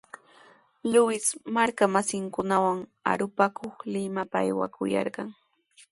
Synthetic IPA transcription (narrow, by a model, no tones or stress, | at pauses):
lʊwɪsmaɾkamasɪŋkʊnawaŋa̰ɾʊpakʰoχlɪmapaa̰jwa̰kʊ̰jɑ̰ɾɢɑŋ